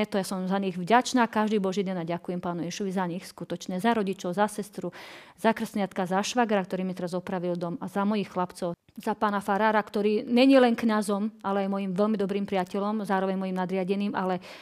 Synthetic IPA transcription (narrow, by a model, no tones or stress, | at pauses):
ɛt̪ɔjaːsɔmzaɲiɣvɟat͡ʃnaːkaʒd̪iːbɔʒiːd̪ɛnaɟakujɛmpaːnujɛʃɔʋizaɲixskut̪ɔt͡ʃɲɛzaɾɔɟit͡ʃɔʊzasɛst̪ɾu | z̥akr̩sɲɪat̪kazaʃʋaɡɾakt̪ɔɾiːmit̪ɛɾazɔpɾaʋild̪ɔmazamɔjixːlapt͡sɔʊ | z̥apaːnafaɾaːɾakt̪ɔɾiːɲɛɲilɛŋkɲazɔmalɛajmɔjimʋɛlmid̪ɔbɾiːmpɾɪacɛlɔmzaːɾɔʋɛɲmɔjimnad̪ɾɪaɟɛniːmʔalɛ